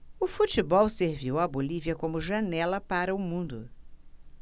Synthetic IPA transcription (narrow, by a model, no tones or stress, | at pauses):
ʊfut͡ʃibɔwseɾviwɐboliviɐkõmʊʒɐnɛlɐpaɾɐʊmũnd̪ʊ